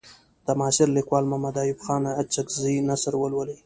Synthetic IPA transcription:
t̪amɑːʃɪɾlikwɑːlmamad̪ɑːjʊbxɑnaat͡ʃakzinasəɾwəlwəli

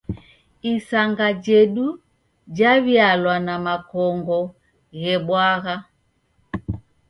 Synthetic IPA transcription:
isaŋɡad͡ʒɛɗu | d͡ʒaβjalwanamakɔŋɡɔ | ɣɛɓwaɣa

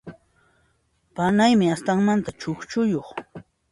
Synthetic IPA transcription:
panajmɪast̪aŋmant̪at͡ʃoχt͡ʃʊjoχ

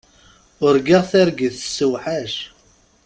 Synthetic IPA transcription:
ʊɾɡiʁθiɾɡiθə̥sːəwħaʃ

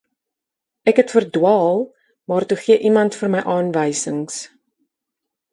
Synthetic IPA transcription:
ʔɛkɦɛtfərdwɑːlˠ | mɑːrtuχiəʔimɐntfərməjʔɑːnvəjsəŋs

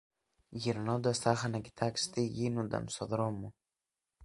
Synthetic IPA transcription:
jiɾnod̪oɛst̪axanaki̥t̪ʰakst̪ijinud̪a̰msoðɾomu

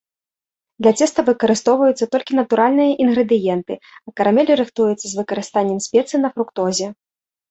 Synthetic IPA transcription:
d̪lʲɐt͡s̪ʲɛst̪ɐvɨkɐɾɨst̪ɔwvɐjut̪sːɐt̪ɔlʲkʲinɐt̪uɾalʲnɨjɐʔinɣɾɨd̪ɨjɛnt̪ɨ | ɐkɐɾamʲɛlʲiɾɨxt̪ujut̪sːɐzvɨkɐɾɨst̪anʲːɛmsʲpʲɛt̪sɨnɐfɾukt̪ɔzʲɛ

